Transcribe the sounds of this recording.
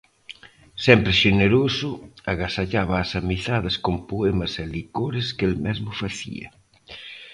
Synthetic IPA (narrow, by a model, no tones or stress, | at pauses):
sɛmpɾɪʃeneɾosʊaɣasaʎaβaːsamiθaðɐskompoemɐsɛlikoɾɪskelmɛzmʊfaθḭɐ̰